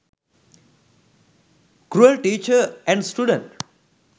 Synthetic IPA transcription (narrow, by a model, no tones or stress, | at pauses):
ɡɾuəlʈiːt͡ʃəɾɛ̃ɳɖsʈuɖə̃ɳʈ